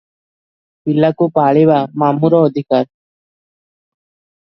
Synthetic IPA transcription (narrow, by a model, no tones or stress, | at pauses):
pilːakupaːɭeʋamaːmuɾɔːd̪ʱikaɾ